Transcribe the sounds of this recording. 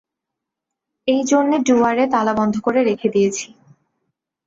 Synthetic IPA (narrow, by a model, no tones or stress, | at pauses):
ejd͡ʑonːeɖuaɾet̪alabɔnd̪ʱokoɾeɾekʰed̪ijet͡ɕʰi̥